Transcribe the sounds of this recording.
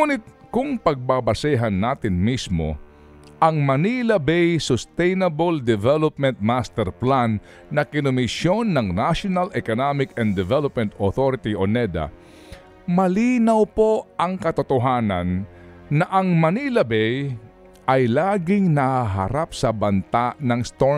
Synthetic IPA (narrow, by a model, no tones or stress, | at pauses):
uːnɪt̪̚kʊŋpɐɡ̚babɐsɛɦɐnːaːt̪ɪnmismo̰ | ʔɐŋmɐnilɐbɛjsʊst̪ɛjnɐbold̪ɛvɛlop̚mɛnt̪̚mast̪ɛɾplanː | ɐkɪnʊmɪʃjo̞nːɐŋnaʃonɐlɛkonamɪkɛnd̪ɛvɛlop̚mɛnt̪oθoɾɪt̪iʔonɛd̪a̰ | mɐliːnɐwpo̞ʔɐŋkɐt̪ʊt̪oɦaːnɐnːɐʔɐŋmɐnilɐbɛj | ʔɐjlaːɡɪŋnɐhaɦɐ̰ɾap̚sɐbɐnt̪anɐŋst̪o